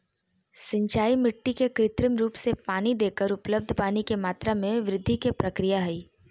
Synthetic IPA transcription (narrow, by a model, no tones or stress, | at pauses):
sɪ̃ɲt͡ʃaːimɪʈːikekɾɪt̪ɾɪmɾuːpsepaːnid̪eːkəɾʊpləb̚d̪ʱpaːnikemaːt̪ɾamẽʋɾɪd̪ʱːikepɾɐkɾijaɦɛiː